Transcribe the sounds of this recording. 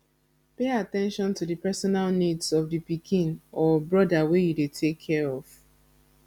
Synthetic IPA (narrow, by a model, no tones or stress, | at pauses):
peatɛ̃nʃɔ̃ntudɨpɛsɔnalnidsɔvdipikʰĩnɔbɹɔdawejudetʰekʰːɛɹɔv